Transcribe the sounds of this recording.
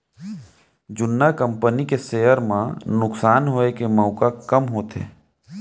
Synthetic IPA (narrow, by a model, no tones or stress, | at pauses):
d͡ʒʊnːakə̃mpənikeseːɦəɾmãnʊksaːnɦoekeməʊkakəmɦoːt̪ḛː